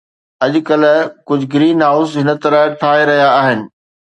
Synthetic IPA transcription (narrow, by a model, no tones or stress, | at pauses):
ɐʄʊkɐlkʊd͡ʑʱɡɪɾiːnɦaːʊsɦɪnə̆t̪ɐɾəʈʰaːɦeɾɐɦijaːɦɪnɪ̆